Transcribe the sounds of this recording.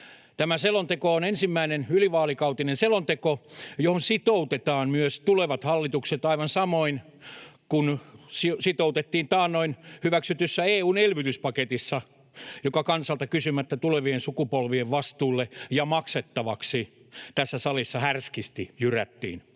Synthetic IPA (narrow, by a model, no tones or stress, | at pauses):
t̪æmæselont̪ekoonensimːæinenyliʋɑːlikɑut̪inenselont̪ekojohonsit̪out̪et̪ɑːnmyøst̪uleʋɑt̪hɑlːit̪ukset̪ɑiʋɑnsɑmoin | kunsisit̪out̪et̪ːiːnt̪ɑːnnoinhyʋæksyt̪ysːæeːuːnelʋyt̪yspɑket̪isːɑ | jokɑkɑnsɑlt̪ɑkysymæt̪ːæt̪uleʋiensukupolʋieʋʋɑst̪uːlːejɑmɑkset̪ːɑʋɑksit̪æsːæsɑlisːɑhærskist̪ijyræ̰t̪ːḭːn